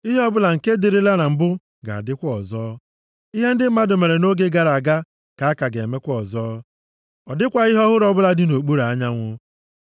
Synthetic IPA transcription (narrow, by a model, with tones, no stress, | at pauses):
i˦ɦɔ˦bʊ˦la˨ŋ̩˨ke˦di˨ɾi˦la˦na˨m̩˨bʊ˦ | ɡa̰˨a̰˨dɪ˦kʷɔ˨zɔː˦ | i˦ɦe˦n̩˦dɪ˦m̩˦ma˦dʊ˨me˨ɾe˨no˦ɡe˦ɡa˨ɾa˨ɡa˦ | ka˨a˦ka˨ɡe˨me˦kʷɔ˨zɔː˦ | ɔ˨dɪ˦kʷa˨ɪ˦ɦɔ˦ɦʊ˦ɾɔ˦bʊ˦la˦dɪ˦no˨k͡pu˦ɾa˨a˦ɲa˦ŋʷʊ˦